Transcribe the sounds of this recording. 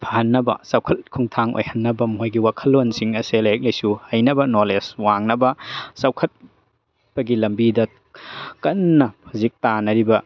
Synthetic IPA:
pʰaɦɐnːɐbɐ̰sɐwkʰɐt̚kʰuŋtʰaŋʔo̰jhɐnːɐbɐmojɡiwakʰɐlːonsiŋɐselɐjɐk̚lɐjsuhɐjnɐbɐnoleswaŋnɐbɐsɐwkʰɐt̚ | pɐɡilɐmbidɐ | kɐnːɐpʰuzik̚tanɐɾibɐ

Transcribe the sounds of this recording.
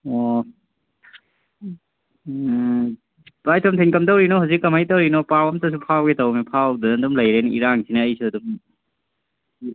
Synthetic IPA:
o | bajtʰɔmtʰinkɐmtɐwɾinɔɦawzikːɐmajtɐwɾinɔpawɐmtʰɐs̬upʰawɡetɐwmepʰawdɐɐdumlɐjɾejnɐiɾaŋsʰinɐːjsuɐdum

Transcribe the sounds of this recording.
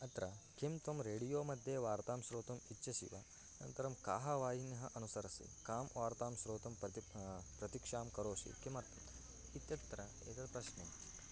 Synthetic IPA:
ɐt̪ɾɐkʰimt̪ʋɐmɾeːɽijoːmɐd̪ʱjeːʋaːɾt̪aːmʃɾoːt̪ɐmit͡ʃːʃɐʃḭʋɐ | nɐ̰nt̪ɐɾɐmkaːɦɐʋaːjinjɐɦɐʔɐnusɐɾɐsḭkaːmʋaːɾt̪aːmsɾoːt̪ɐmɐpɾɐt̪ikʂaːmkɐɾoːʃḭkimɐɾt̪ɐ | it̪jɐt̪ɾɐ | ḛːt̪ɐd̪pɾɐʃneːi

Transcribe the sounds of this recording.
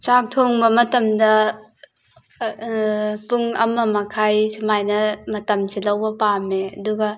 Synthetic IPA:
t͡ʃak̚tʰoŋbɐmɐtɐmdɐ | puŋɐ̰mɐmɐkʰajsumajnɐmɐtɐmselɐwbɐpameɐ̰duɡɐ

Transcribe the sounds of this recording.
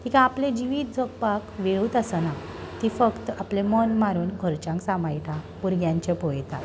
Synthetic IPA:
t̪ʰikãːplẽd͡ʑiʋiːt̪̚d͡zʱopːakʋeɭuːt̪əsəna | t̪ifəkt̪aplemənmaɾuːnɡʱəɾt͡ɕãŋksamajʈ̪ʰãpuɾɡjãɲt͡ɕepojt̪a

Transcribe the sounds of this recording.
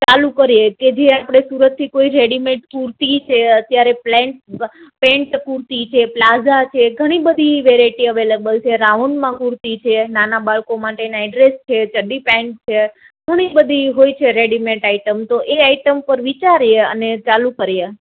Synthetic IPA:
t͡ʃalukəɾjeked͡ʒeapɽ̃esuɾət̪ʰːikoiɾeɽimẽɳʈkuɾt̪it͡ʃʰeət̪jaɾeplɛ̃ɳʈpẽɳʈkuɾt̪it͡ʃʰeplad͡ʒat͡ʃʰeɡʱəɽ̃ibəd̪ʱiʋeɾaiʈiəʋeləbəlt͡ʃʰeɾaunmãkuɾt̪it͡ʃʰenanabaɭkomaʈeneaɖɾest͡ʃʰet͡ʃəɖipɛ̃ɳʈt͡ʃʰe | ɡʱəɽ̃ibəd̪ʱiɦojt͡ʃʰeɾeɽimẽɳʈaiʈəmt̪oʔeaiʈəmpəɾʋit͡ʃaɾjeə̰net͡ʃalukəɾje

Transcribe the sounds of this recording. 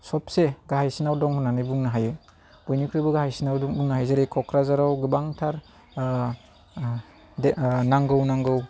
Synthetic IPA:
sɔp̚seɡaɦajsinawdɔŋhunːanɯjbuŋnaɦajɯ | b̥ɔjnikʰɾibɯɡahajsinawdbuŋnaɦajzaɾekʰɔkʰɾazaɾawɡɯbaŋtʰaɾ | naŋɡɯwnaŋɡɯw

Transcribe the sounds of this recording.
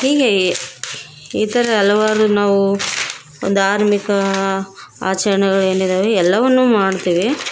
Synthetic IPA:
hiːɡe | iːt̪ɐɾɐɐlɐʋaːɾunaːʋṵ | nd̪ʱaːɾmikɐ | a̰ːt͡ʃɐɾɐɳɛɡɐɭe̞ːnid̪eːʋeɛlːɐʋɐnːuːmaːɽt̪iːʋi

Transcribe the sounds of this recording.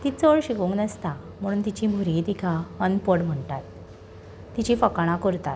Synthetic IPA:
t̪it͡soɭɕikũŋknəst̪a | m̤əɽuːnt̪it͡ɕĩbʱuɾɡit̪ikʰaənpəɽm̤əɳʈat̪ː | it͡ɕifəkɽ̃ãkəɾt̪at̪

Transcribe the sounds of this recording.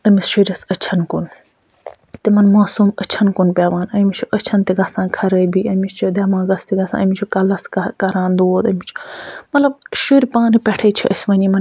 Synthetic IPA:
ɐmisʃuɾʲɐsɐt͡ʃʰɐnkun | t̪imɐnmaːsuːmɐt͡ʃʰɐnkunpjaːʋaːnɐmit͡ʃʰuʔɐt͡ʃʰɐnt̪iɡɐsãːkʰɐɾɐbiɐmist͡ʃʰud̪ɐːmãːɡɐst̪iɡɐsã̰ːɐmit͡ʃʰukɐlɐskkɐɾaːnd̪uoːt̪ɐmit͡ʃʰu̥mɐt̪lɐb̚ʃuɾʲpaːnipɛʈʰɐːt͡ʃʰiʔɐsʋɐnimɐn

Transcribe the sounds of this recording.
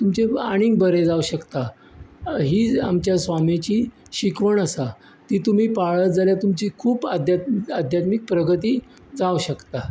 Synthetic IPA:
t̪umt͡ɕeaɽ̃ĩŋɡ̚bəɾed͡zauɕəkt̪a | ɦiːamt͡ɕjasʋamet͡ɕiː | ɕikʋəɳəsa | t̪iːt̪um̤iːpaɭət̪̚d͡zaljat̪umt͡ɕiːkʰuːpad̪ʱjat̪ad̪ʱjat̪mik̚pɾəɡət̪iː | d͡zauɕəkt̪a

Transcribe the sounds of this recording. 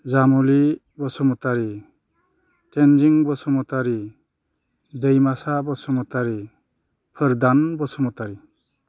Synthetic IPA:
zamuli | bɔsɔmɔtaɾi | tend͡ʒiŋbɔsɔmɔtaɾi | dejmasabɔsɔmɔtaɾi | pʰɯɾd̪anbɔsɔmɔtaɾi

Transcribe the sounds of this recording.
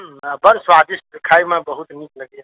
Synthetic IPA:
əbəɾswad̪iskʰaimẽbəɦut̪nikləɡja

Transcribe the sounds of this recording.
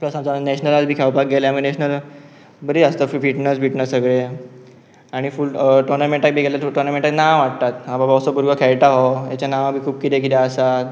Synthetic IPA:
apləsɦamd͡zanɛɕnəlad͡zbʱiːkʰɛwpak̚ɡeleaminɛɕnəl | bəɾiəst̪əffiʈnəsbʱiʈnəsəɡɭe | aɽ̃ifulʈoɾnameɳʈak̚bʱiːɡelaʈoɾnameɳʈaknaʋʋaʈ̚t̪at̪ɦababasobuɾɡəkʰɛjʈaɦojat͡ɕjanaʋbʱiːkʰuːbkit̪ek̬it̪eəsat̪

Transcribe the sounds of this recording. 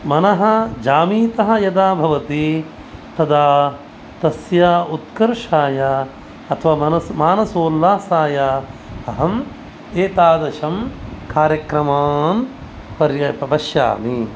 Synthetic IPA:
mɐnɐɦɐ̆d͡ʒaːmiːt̪ɐɦɐ̆jɐd̪aːbʱɐʋɐt̪i | t̪ɐd̪aː | t̪ɐsjaːut̪kɐɾʂaːja | ɐt̪ʰɐʋaːɐnɐmaːnɐsoːlːaːsaːjaɐɦɐm | eːt̪aːd̪ɐʃɐmkaːɾjɐkɾɐmaːm | pɐɾjɐpɐbɐʃja̰ːmi

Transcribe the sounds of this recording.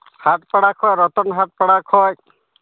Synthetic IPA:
hat̪pɔɽakʰɔjɾɔt̪ɔnɦat̪̚pɔɽakʰɔj

